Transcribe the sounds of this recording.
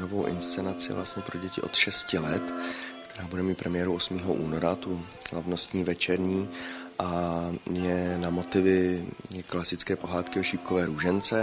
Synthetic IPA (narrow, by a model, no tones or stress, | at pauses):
novowʔɪ̰nst͡sɛnat͡sɪ̰vla̰st̪ɲɛpɾoɟɛcɪʔo̞̰t̪ʃɛscɪlɛt̪kt̪ɛ̥ɾaːbudɛmiːt̪̚pɾʔɛmɪjɛːɾuʔo̞smiːɦo̞ʔṵːno̞ɾat̪uzlavno̞st̪ɲiːvɛt͡ʃɛɾɲiː | ʔajɛnamo̞t̪ɪvɪɛklasɪt͡skɛːpo̞ɦaːt̪kɪoʃiːp̚kovɛːɾuːʒɛnt͡sɛ